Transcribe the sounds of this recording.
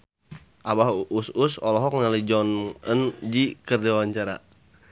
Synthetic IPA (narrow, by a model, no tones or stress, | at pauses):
ʔabaɦʔususɔ̰lɔɦɔk̚ŋnalid͡ʒɔnənd͡ʒikərd͡ʒaawaɲt͡ʃaɾa̰